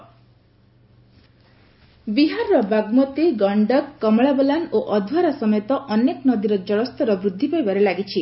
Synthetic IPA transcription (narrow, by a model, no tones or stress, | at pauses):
biɦaɾɔɾɔbaɡmɔt̪iɡɔɳɖɔkːɔmɔɭabɔlanoʔɔd̪ʱwaɾasɔmɔjt̪ɔʔɔneknɔd̪iɾɔd͡ʒɔɽɔst̪ɔɾɔbɾud̪ʱːipajbaɾelaɡit͡ʃʰi